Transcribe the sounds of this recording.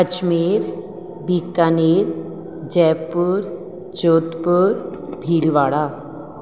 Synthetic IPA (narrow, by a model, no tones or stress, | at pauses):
ət͡ɕmiɾ | bʱikaniɾ | d͡ʑɛpuɾ | t͡ɕot̪puɾbʱilʋaɽa